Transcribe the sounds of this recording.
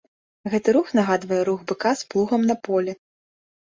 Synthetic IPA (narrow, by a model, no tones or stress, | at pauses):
ɣɛt̪ɨɾuxnaɣad̪vɐjɛɾuɣbɨkasplˠuɣɐmnɐpɔlʲɛ